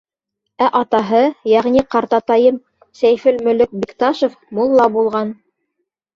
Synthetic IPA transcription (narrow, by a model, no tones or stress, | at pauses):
æʔɑt̪ɑɦɤjæʁniqɑɾt̪ɑt̪ɑjɤm | sæjfɘlmɵ̆lɘk̚bikt̪ɑʃof | mulˠːɑbulˠʁɑn